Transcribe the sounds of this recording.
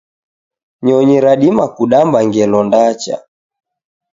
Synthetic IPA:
ɲɔɲiɾaɗimakuɗambaŋɡɛlɔndat͡ʃa̰

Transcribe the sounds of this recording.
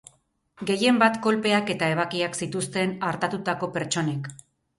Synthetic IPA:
ɡe̞je̞mbat̪ko̞lpe̞ake̞t̪ae̞β̞akiaksit̪ust̪e̞naɾt̪at̪ut̪ako̞pe̞ɾt͡ʃo̞ne̞k

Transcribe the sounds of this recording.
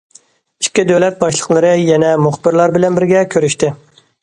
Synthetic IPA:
i̥kʲːid̪øwlɛt̪̚bɑʃlˠəqlˠəɾɨjɛnɛmuχbɪɾlˠɑɾbɪlɛnbɪɾɡʲɛkʲʰøɾyʃt̪ɪ

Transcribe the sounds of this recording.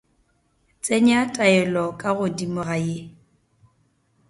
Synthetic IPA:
t͡sʼeɲatʼaɛlɔkʼaɣʊdimʊɣaje

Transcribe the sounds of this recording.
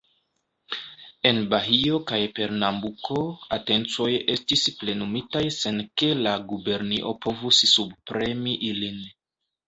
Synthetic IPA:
e̞nbaɦio̞kajpe̞ɾnambukʰo̞ate̞nt͡so̞je̞stisple̞numitajse̞nke̞laɡube̞ɾniʔo̞pʰo̞vussubpɾe̞miʔilin

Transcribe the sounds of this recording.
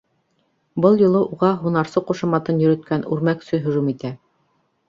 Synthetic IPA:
bɤlˠjŏlˠɤʔuʁɑɦunɑɾsɤquʃɤmɑt̪ɤnjɵ̆ɾɵ̆t̪̚kænʉɾmæksɵɦɵ̆ʒumit̪æ

